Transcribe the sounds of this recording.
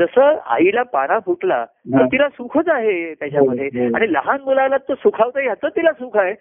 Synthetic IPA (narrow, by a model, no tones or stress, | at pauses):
d͡zəsəa̰ilapaɽ̃abʱuʈla̰ | t̪əɾt̪ilasũkʰət͡saɦet̪jat͡ɕaməd̪ʱːeaɽ̃iləɦanɡolalat̪ːosukʰaʋt̪əjat̪ət̪ːilasukʰaɦe